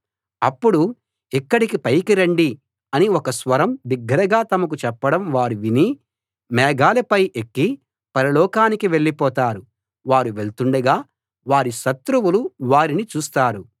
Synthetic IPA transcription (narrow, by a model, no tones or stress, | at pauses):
ɐpːuɽu | ikːɐɽikipɐjkiɾɐɳɖi | ɐniɔkɐsʋɐɾɐmbiɡːɐɾɐɡaːt̪ɐmɐk̬ut͡ʃɛpːɐɽɐmʋaːɾiʋini | mɛːɡaːlɐpɐjʔekːi | pɐɾɐlɔːkaːnikiʋe̞ɭːipɔːt̪aːɾu | ʋaːɾuʋe̞ɭt̪uɳɖɐɡaː | ʋaːɾiʃɐt̪ɾuwuluʋaːɾinit͡ʃuːst̪aːɾu